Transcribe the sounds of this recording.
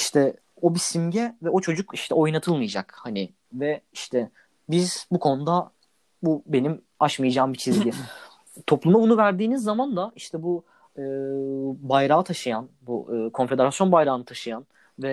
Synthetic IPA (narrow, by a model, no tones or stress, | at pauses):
iʃt̪ʰɛ | o̞bisimɟɛvɛo̞t͡ʃʰo̞d͡ʒukiʃt̪ʰɛo̞jnat̪ʰɯlˠmɯjad͡ʒakhanɪ | vɛiʃt̪ʰɛ | bizbukʰo̞nud̪a | bube̞nim | aʃmajad͡ʒaːmbit͡ʃʰizɟi | t̪ʰo̞plˠumabunuvæɾd̪iːnizːamand̪aiʃt̪ʰɛbu | ɯːbajɾaːt̪ʰaʃɯjanbuɯːkʰo̞nfe̞d̪eɾasjo̞nbajɾaːnɯt̪ʰaʃɯjan | vɛ